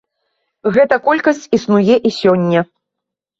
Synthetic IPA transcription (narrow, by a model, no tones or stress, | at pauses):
ɣɛt̪ɐkɔlʲkɐsʲt͡sʲisnujɛʔisʲɔnʲːɐ